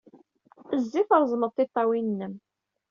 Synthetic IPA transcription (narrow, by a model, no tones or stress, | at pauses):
əzːiθəɾˤzˤməðˤθɪt̪ˤːɑwinnːəm